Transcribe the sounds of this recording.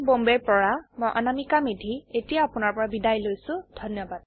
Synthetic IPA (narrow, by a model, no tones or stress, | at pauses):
bombɛɹpɔɹamojʔa̰namikamidʱietijaːpʊnaɹpɔɹabidajlojsʊ̃d̥ʱɔnjɔbad